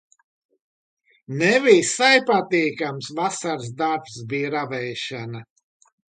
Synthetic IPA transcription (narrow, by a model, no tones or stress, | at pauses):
nɛvisajpat̪iːkamsvasaɾs̬d̪aɾpsbijɾavɛjʃana